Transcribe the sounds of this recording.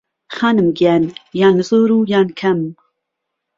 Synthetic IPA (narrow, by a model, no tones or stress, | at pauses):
xaːnɨmɡjaːnjaːnzoːɾuːjaːnkʰɐm